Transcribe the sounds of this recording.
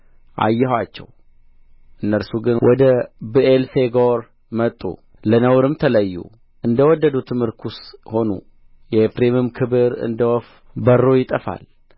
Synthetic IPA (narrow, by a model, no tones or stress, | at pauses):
ʔa̰jːɛhwat͡ʃːɛ̰w | ʔɨnːəɾsuɡɨnwʔɔd̪əbɨʔelfeɡoɾ | mət̪ʼːṵ | lənəwɾɨmt̪ʰələjːṵ | ʔɨnd̪əwɔd̪ːəd̪ut̪ʰɨmhɨɾkʰusho̞nṵ | jɛefɾemumkʰɨbɨɾɨ̰nd̪əwɔf | bərːojɪt̪ʼəfa̰l